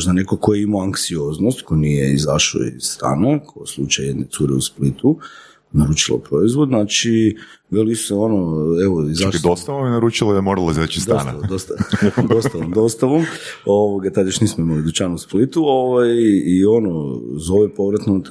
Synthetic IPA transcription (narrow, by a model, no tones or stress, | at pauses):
ʒd̪anekokojeimoaŋksio̞znost̪kojnijeizaʃo̰ḭzst̪a̰ːnekʰoslˠut͡ʃajed̪net̪suːɾeusplit̪u | naɾut͡ʃilˠo̰pɾo̞izʋo̞d̪nat͡ʃi | ʋeliseo̞noeʋoizaʃid̪ost̪aʋominaɾuːt͡ʃilad̪amoɾalaizat͡ʃisd̪a̰stna̰ad̪ost̪ad̪ost̪aʋomd̪o̞st̪aʋomoʋoɡat̪ad̪joʃnismoimalid̪ut͡ʃanusplit̪uoʋajio̞nozo̞ʋepo̞ʋɾat̪nut̪